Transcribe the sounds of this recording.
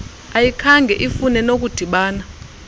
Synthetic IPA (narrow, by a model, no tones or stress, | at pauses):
ajikʰaŋɡʱɛʔifunɛnok̬ʼud̥ʱiɓaːna